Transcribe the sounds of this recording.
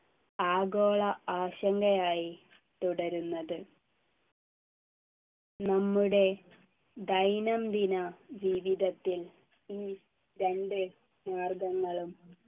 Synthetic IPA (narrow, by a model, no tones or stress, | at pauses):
aːɡo̞ːɭɐaːɕɐŋɡɐjaːji | t̪uɽɐɾunːɐðɨ | nɐmːuɽe̞ | d̪ɐjnɐmd̪inɐd͡ʑiːʋiðɐt̪ːil | iː | ɾe̞ɳɖɨ | naːrɡɐŋːɐɭum